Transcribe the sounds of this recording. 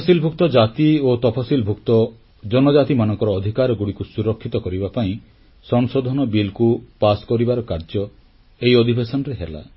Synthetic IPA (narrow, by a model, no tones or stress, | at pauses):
silbʱuk̚t̪ɔd͡ʒat̪iot̪ɔpʰasilbʱukt̪ɔ | d͡ʒɔnɔd͡ʒat̪imanɔŋkɔɾɔːd̪ʱikaɾɔɡuɽikusuɾɔkʰːit̪ɔkɔɾibapaĩ | sɔŋsod̪ʱɔnɔbilkupaskɔɾibaɾɔkaɾd͡ʒɔ | ejɔd̪ʱibesɔnɔɾeɦela̰